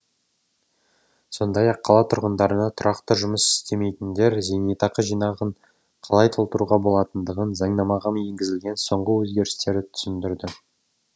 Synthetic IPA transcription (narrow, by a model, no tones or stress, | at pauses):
so̞nd̪ɑjɑqʰːɑlˠɑt̪ʰʊɾʁənd̪ɑɾənɑt̪ʰʊɾɑqt̪əʒʊməsɪ̥st̪e̞me̞jt̪ɪnd̪e̞ɾzenet̪ɑqəʒijnɑʁəɴ | qʰɑlˠɑjt̪ʰolˠt̪əɾuʁɑbo̞lˠɑt̪ənd̪əʁənzɑɴnɑmɑʁɑmje̞ŋɡʲɪzɪlɡʲe̞nso̞ɴʁəwɵzɡʲe̞ɾɪst̪e̞ɾɪt̪ʰʏ̥sɪnd̪ɪɾd̪ɪ